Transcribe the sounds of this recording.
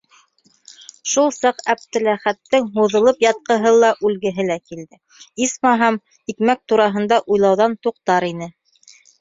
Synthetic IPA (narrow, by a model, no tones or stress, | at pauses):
ʃulˠsɑqæp̚t̪ɘ̆læχæt̪ːɘŋɦuðɤ̆lˠɤpjɑt̪̚qɤ̆ɦɤlˠɑʔʉlɡɘ̆ɦɘlækild̪ɘ | ismɑɦɑm | ikmæk̚t̪uɾɑɦɤ̆nd̪ɑʔujlˠɑwðɑnt̪uq̚t̪ɑɾinɘ